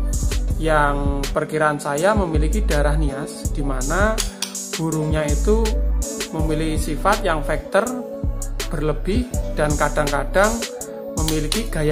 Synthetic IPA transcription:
jaŋpərkiɾaːnsajaməmilikid̥a̤ɾahniasd̥imana | b̥uɾʊŋɲait̪u | məmilikisifat̪̚jaŋfɛk̚t̪ər | b̥ərləb̥ɪhd̥ankad̥aŋkad̥aŋ | məmilikiɡ̥aja

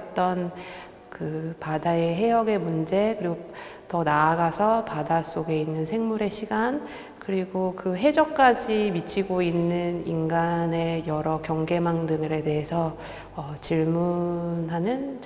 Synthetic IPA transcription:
t͈ʌn | kɯpadae̞ɦe̞jʌɡe̞mund͡ʑe̞kɯɾiɡo | tʌnaːɡasʰʌpadas͈oɡe̞inːɯnsʰe̞ŋmuɾe̞ɕʰiɡan | kɯɾiɡokɯɦe̞d͡ʑʌk̚k͈ad͡ʑimit͡ɕʰiɡoinːɯninɡane̞jʌɾʌkjʌŋɡe̞maŋdɯŋɯɾe̞de̞ɦe̞sʰʌː | t͡ɕiɭmunɦanɯn

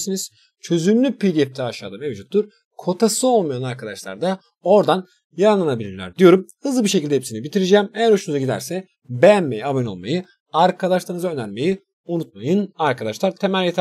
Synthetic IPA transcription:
siniz̥ | t͡ʃʰø̞zymlʲypʰid̪ʲiɛp̚t̪ʰɛaʃa̰ːd̪amevd͡ʒut̪ʰːuɾ | kʰo̞t̪ʰasɯo̞lˠmajanaɾkʰad̪aʃlˠa̰ɾd̪a | o̞ɾd̪an | jaɾnlˠanabilʲiɾlʲæ̰ɾd̪ijo̞ɾumhɯzlɯbiʃ̬e̞cilʲd̪ɛhepsinibit̪ʰiɾid͡ʒɛːmejæɾhuʃunuzaɟid̪æ̰ɾsɛ | bejænmejiabano̞̰lˠma̰jɯ | aɾkʰad̪aʃlˠaɾɯnɯzaø̞næɾme̞ji | unut̪̚majɯnaɾkad̪aʃlˠaɾt̪ʰe̞mælʲjet̪ʰ

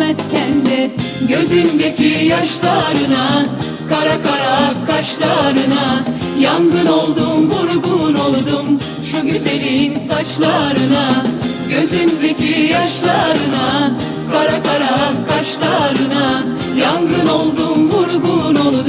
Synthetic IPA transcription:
ɛzcʰɛnd̪ɛɟø̞zynbecʰijaʃlˠaɾɯna | kʰaɾakʰaɾakʰaʃlˠaɾɯnajanɡɯno̞lˠd̪umvuɾɡuno̞lˠd̪um | ʃuɟyzeninsat͡ʃlˠaɾɯna | ɟøzynbecʰijaʃlˠaɾɯna | kʰaɾakʰaɾakʰaʃlˠaɾɯna | janɡɯno̞lˠd̪umvuɾɡunolˠud̪

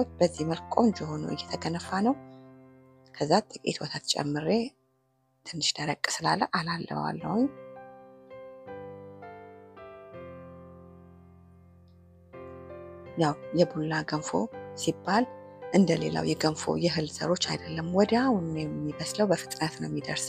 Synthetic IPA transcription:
ot͡ʃːbəzːihməlkʼond͡ʒɛho̞nuʔɨ̰jːɛt̪ʰəɡənəfːanəw | kʰəzːat̪ʼɨkʼḛt̪ʰwɔt̪ʰat̪t͡ʃʼɛ̰mːɨɾe | t̪ʰɨnːɨʃd̪əɾəkʼːsɨlalːəʔalalːə̰wa̰lːə̰wɲː | jawjɛbulːaɡənfo̞̰sibːalʔɨnd̪əlela̰wjɛɡənfo̰jɛɦɨlsə̰ɾo̞t͡ʃːa̰jd̪əlːəmwɔd̪awnjɛmːibəsləwbəfɨt̪ʼɨnət̪nəwjɛmːid̪əɾs

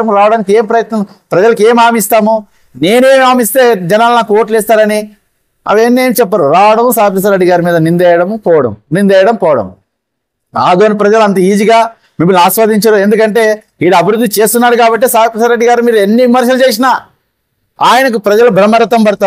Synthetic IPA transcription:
ɐmɾaːʋɐɽaːnike̞ːmpɾɐjɐt̪nɐm | pɾɐd͡ʒɐlɐke̞ːmaːmist̪aːmu | ne̞ːnue̞ːmaːmist̪e̞ːd͡ʒɛnaːlɐnaːkuoːʈlɛːst̪aːɾɐni | ɐ̰ʋeːnːeːmit͡ʃɛpːaːɾuɾaːʋɐɽɐmusaːɐp̬ɾɐs̬ɐɾeɖːiɡaːɾimiːd̪ɐnind̪ɛːjɐɽɐmpɔːʋɐɽɐ̰mnind̪ɛːjɐɽɐmpɔːʋɐɽɐ̰m | aːd̪oːnipɾɐd͡ʒɐluɐnt̪ɐiːd͡ʒiɡaː | mimːunaːsʋaːd̪iɲt͡ʃɐɾuend̪ukɐɳʈe̞ː | iːɽuɐbiɾud̪ːit͡ʃe̞ːst̪unːaːɽukaːbɐʈ̬ːeːsaːɐpɾɐsɐɾeːɖːiɡaːɾimiːɾuenːiʋimɐɾʃɐlut͡ʃe̞ːs̬inaː | aːjɐnɐk̬upɾɐd͡ʒɐlɐbɾɐmːɐɾɐt̪ɐmbɐɽt̪aː

